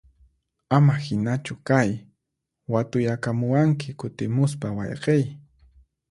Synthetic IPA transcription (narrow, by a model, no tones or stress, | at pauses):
amahɪnat͡ʃʊkaj | wat̪ʊjakamʊwaŋk̬ɪkʊt̪ɪmʊs̬pawɑ̰jqej